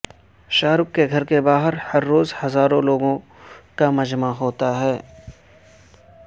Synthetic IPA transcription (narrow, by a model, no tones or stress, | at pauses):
ʃaːɾʊkːeɡʱɐɾkebaːɦəɾhɐɾːoːzhɐzaːɾõloːɡõ | kamɐd͡ʒmaɦoːt̪aɦɛː